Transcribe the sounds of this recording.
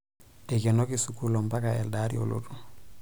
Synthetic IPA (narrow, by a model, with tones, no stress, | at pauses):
de˨kɛ˨no˦ki˨sukulo˨mba˦kaɛ˨ldaɾḭo̰˨lo̰˦tu̥˦